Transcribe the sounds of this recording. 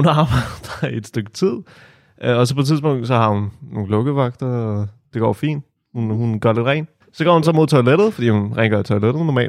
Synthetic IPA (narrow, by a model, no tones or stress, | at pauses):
hunɑ̈ːb̥ɑɪd̥ɐe̝d̥sd̥øɡ̥̚t͡sʰið̰ˠ | ʔɒ̽sɒ̽pʰɒ̽t͡sʰiðˠsb̥ɔ̽ŋ̰d̥sɒ̽hɑ̈hunːo̝ːŋ̩lɔ̽ɡ̥əʋɑ̈ɡ̥̚d̥ɐɒd̥e̝ɡ̥ɒ̰ːfḭːn | hunhunɡ̥ɶɐle̝d̥ʁɛ̰ːn | sɒɡ̥ɒ̰ːhunsɒ̽mo̝ð̞ˠt͡sʰoɪleɾ̥ð̞̩ˠfɒ̽d̥ḭːhunʁɛŋ̥ɡɐit͡sʰoɪled̥ð̩ˠnɒmɛ̰ːld̥